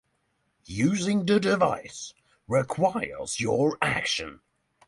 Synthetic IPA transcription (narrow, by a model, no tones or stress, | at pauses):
jʉːzɪ̃ŋðədɪvaɪs | ɹɪkʰw̥aɪə̰z̥jəɹakʃə̰̃n